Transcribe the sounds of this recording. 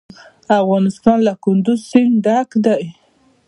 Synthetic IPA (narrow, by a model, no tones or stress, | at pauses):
afɣɑnɪst̪ɑnlakʊnd̪ʊzsɪŋɖakd̪aj